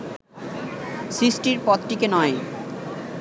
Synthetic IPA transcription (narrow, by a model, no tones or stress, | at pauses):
sɾisʈiɾpɔt̪ʈikenɔe